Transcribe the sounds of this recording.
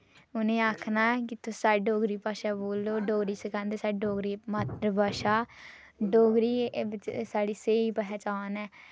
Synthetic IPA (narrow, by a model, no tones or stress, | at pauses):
ʊnẽːaːkʰnaːkɪt̪ʰʊsaːɖoːɡɾiːpaːʃaːboːlːoːɖoːɡɾiːsəkãːnd̪eːsaːɾɖoːɡɾiːmaːt̪ɾəbaːʃaː | ɖoːɡɾiːsaːɽiːseːiːpəɦɛːt͡ʃaːnɛː